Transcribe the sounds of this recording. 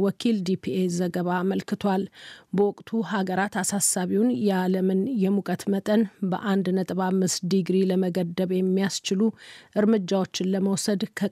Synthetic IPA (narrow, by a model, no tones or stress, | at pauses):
wɔkʰild̪ipʰiezəɡəβaməlkɨt̪ʰwalbəwɔkʼt̪ʰuhaɡəɾat̪asasːaβiwnjɛaləmɨnjɛmukʼət̪mət̪ʼənbə̰ʔand̪nət̪ʼβamːɨsd̪iɡɾiləməɡəd̪ːəβjɛmːijast͡ʃɪluʔɨɾmɨd͡ʒːawo̞t͡ʃːɪnləməwsəd̪kʰə